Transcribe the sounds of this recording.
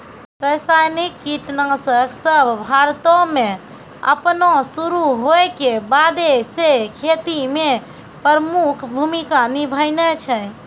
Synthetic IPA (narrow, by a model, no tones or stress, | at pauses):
pɾəjsajnikːiʈnasəksəbʱbʱaɾt̪ome | ə̰pnosuɾuɦojkebad̪esekʰet̪ime | pəɾəmukʰbʱumikanibʱəjnet͡ʃʰə